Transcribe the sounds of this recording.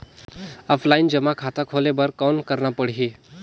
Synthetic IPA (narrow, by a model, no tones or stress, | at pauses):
ɔfʰlaind͡ʑəmakʰat̪akʰolebəɾkɔwnkəɾnapəɽ̤ɦi